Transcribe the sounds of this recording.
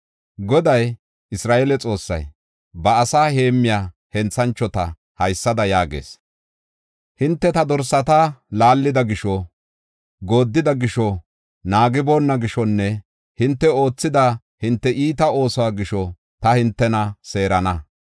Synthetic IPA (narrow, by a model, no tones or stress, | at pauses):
ɡɔd̪ɐj | ɪsɾaːʔelɛt͡sʼo̞ːsːɐ̰j | bɐːsaːhe̞ːmːɪjaː | hɛnt͡sːɐnt͡ʃːɔt̪ɐ | hɐjsːɐd̪ɐjaːɡḛːs | hɪnt̪ːɛt̪ɐd̪ɔɾsɐt̪alaːlːɪd̪ɐɡɪʃɔ | ɡo̞ːd̪ːɪd̪ɐɡɪʃɔ | naːɡɪbo̞ːnːɐɡɪʃɔnːɛ | hɪnt̪ːɛo̞ːt͡sːɪd̪a | hɪnt̪ːɛʔiːt̪ɐo̞ːsɔwaːɡɪʃɔ | t̪ɐhɪnt̪ːɛnɐse̞ːɾɐnɐ